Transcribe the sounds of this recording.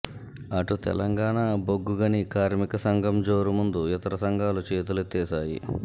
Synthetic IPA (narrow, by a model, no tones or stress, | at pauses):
ɐʈut̪ɛ̰lɐŋɡaːɳaboɡːuɡɐnikaːɾmikɐsɐŋɡʱɐmd͡ʒo̞ːɾumund̪uit̪ɐɾɐsɐŋɡʱaːlut͡ʃeːt̪ulut̪ɛːsaːjḭ